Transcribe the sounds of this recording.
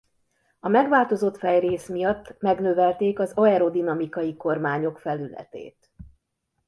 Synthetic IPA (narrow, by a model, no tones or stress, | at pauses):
ɒmɛɡʋaːlt̪o̞zo̞t̪fɛjreːsmijɒt̪ːmɛɡnøːvɛlt̪eːkɒzɒɛɾod̪inɒmikɒjiko̞rmaːɲo̞kfɛlylɛ̰t̪ḛːt̪